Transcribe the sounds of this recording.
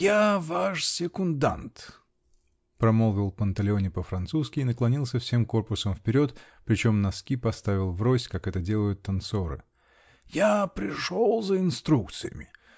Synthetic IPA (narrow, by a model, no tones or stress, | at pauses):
javaʂsʲɪkʊnd̪a̰nt̪ | pɾɐmolˠvʲɪlˠpənt̪ɐlʲɪonʲɪpəfɾɐnt̪suskʲɪɪnəklˠɐnʲilˠsʲəfsʲe̞mko̞rpʊsəmfpʲɪɾʲo̞t̪pɾʲɪt͡ɕo̞mnɐskʲipɐst̪avʲɪlˠvrosʲkakɛt̪ədʲe̞lˠəjʊt̪ːɐnt̪so̞ɾɨ̰ | japɾʲɪʂolˠzəɪnst̪ɾukt̪sɨjə̰mʲɪ